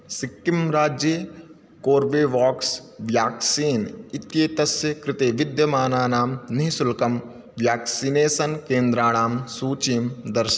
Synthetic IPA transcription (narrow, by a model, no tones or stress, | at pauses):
sɪkːɪmɾaːd͡ʒje | koːɾʋeːʋaːksʋjaːksiːnɪt̪jeːt̪ɐsjəkɾɪt̪eːʋɪd̪jɐmaːnaːnaːmnɐɦsʊlkɐm | ʋjaːksineːsɐnkẽːnd̪ɾaːnaːmsuːt͡ʃimd̪ɐɾʃ